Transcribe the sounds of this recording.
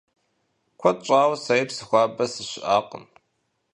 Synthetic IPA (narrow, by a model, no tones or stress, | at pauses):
kʷʰɐt͡ʃʼaːwsɐjpsɨxʷaːbɐsɨɕɪʔaːqə̰n